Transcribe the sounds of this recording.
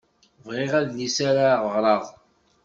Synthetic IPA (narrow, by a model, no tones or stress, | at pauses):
vʁɪʁæðlisaɾaʁəʁɾˤɑðˤ